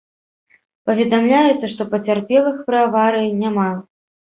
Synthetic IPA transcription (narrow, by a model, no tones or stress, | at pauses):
pɐvʲɛd̪amlʲajɛt̪sːɐʂt̪ɔpɐt͡sʲarpʲɛlˠɨxpɾɨavaɾɨjinʲama